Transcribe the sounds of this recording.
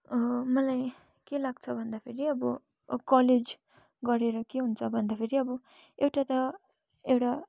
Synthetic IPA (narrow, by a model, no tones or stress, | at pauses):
mʌlaj | kelaɡt͡sʰʌbʱʌnd̪apʰeɾiʌbʌ | kʌled͡z | ɡʌɾeɾʌkeɦunt͡sʰʌbʱʌnd̪apʰeɾiʌbʌ | ewʈat̪ʌ | ewʈa